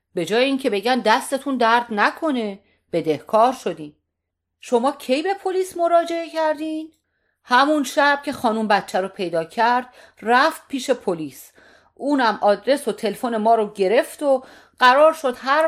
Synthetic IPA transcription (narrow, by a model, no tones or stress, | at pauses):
be̞d͡ʒɒːjeiːŋcʰe̞be̞ɟænd̪æst̪e̞t̪ʰund̪æɾd̪nækʰo̞ne̞ | b̥e̞d̪e̞hkʰɒːɾʃo̞d̪iːn | ʃo̞mɒːcʰe̞jbe̞pʰoliːsmo̞ɾɒːd͡ʒe̞ecʰæɾd̪iːn | hæmunʃæb̥̚cʰe̞xɒːnumbæt̪t͡ʃʰːæɾopʰe̞jd̪ɒːcʰæɾd̪̥̚ | ræft̪̚pʰiːʃe̞pʰoliːs | ʔuːnæmʔɒːd̪ɾe̞sot̪ʰe̞lefone̞mɒːɾoɟe̞ɾe̞ft̪o | ɢæɾɒːɾʃo̞d̪̥ɦæɾ